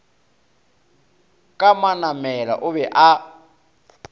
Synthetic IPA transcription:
kʼamanamɛla̰ʔʊβɛʔa

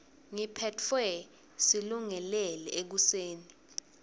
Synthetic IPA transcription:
ŋipʰɛtfɛ | siluŋɛlɛlɛek̬useːni

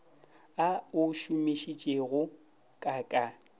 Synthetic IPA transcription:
aʊʃumeʃit͡ʃʼeɣʊ | kʼakʼa

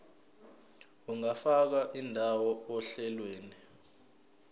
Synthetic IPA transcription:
uŋafak̬aʔindʱawɔɔɬɛlweːni

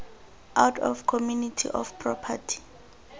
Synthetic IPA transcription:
awtʰɔ̰fkʰɔmjunitʰḭʔɔfpʰrɔpʰa̰tʰi̥

